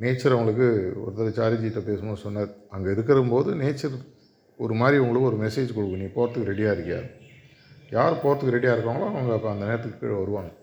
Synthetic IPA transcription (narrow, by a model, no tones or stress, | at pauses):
neːt͡ʃːɐɾɐʋɐŋɡɐɭɯkːɯɔ̰ɾɯt̪ːɐlɐt͡ʃaːɾid͡ʒiʈ̪ːɐpeːsɯmonsɔnːaːɾɐŋɡɐɪɾɯkːɐɾɐɯmpoːðɯneːt͡ʃːɐɾ | ɔɾɯmaːɾiɐʋʊŋɡɐɭɯkːɯɔɾɯmɛseːd͡ʒkɔɽɯkːɯniːpoːɾɐt̪ːɯkːɯɾɛɽɪjaːɪɾɯkːɐja̰ːɾ | jaːɾɯpoːɾɐt̪ːɯkːɾɛɽɪjaːɪɾɯkːaːŋɐɭãɐʋɐŋɡɐpːɐ̃ɐnd̪ɐneːɾɐt̪ːɯːɯʋɐɾɯʋaːŋɡɐ